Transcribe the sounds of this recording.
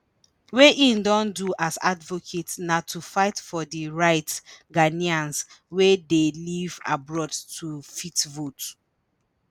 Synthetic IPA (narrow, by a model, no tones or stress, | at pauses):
weʔĩndɔ̃nduʔaza̰dvokʰetnatʰufaɪtfɔdiɹaɪtɡaniãnswedeliva̰bɹɔdtʰufitvot